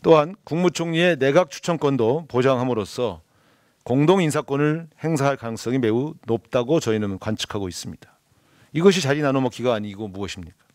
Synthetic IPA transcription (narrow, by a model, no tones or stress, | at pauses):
t͈oɦankuŋmut͡ɕʰoŋɲie̞ne̞ɡak̚t͡ɕʰu̥t͡ɕʰʌnk͈wʌndopod͡ʑaŋɦamɯɾosʰʌ | koŋdoŋinsʰak͈ʌnɯɭhe̞ŋsʰaɦaɭkanɯŋs͈ʌŋime̞unop̚t͈aɡot͡ɕʌinɯnkwant͡ɕʰɯ̥kʰaɡois͈ɯmɲid̥ḁ | iɡʌɕ̬ʰit͡ɕaɾinanomʌkʰiɡaːɲiɡomuʌɕʰimɲik͈ḁ